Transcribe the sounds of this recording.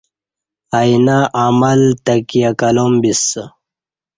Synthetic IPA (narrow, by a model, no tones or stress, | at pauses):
ainaʔamɐlt̪ɐkijakɐlombis